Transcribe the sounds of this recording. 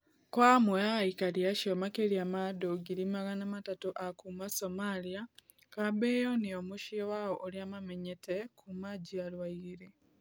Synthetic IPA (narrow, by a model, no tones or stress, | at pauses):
kwaːmweaikaliaʃomakeɾiamadoɡiɾimaɣanamatatoʔakumasomalia | kabejoniomuʃiwaoʔːliamameɲetʰekʰumaɟialwaiɾe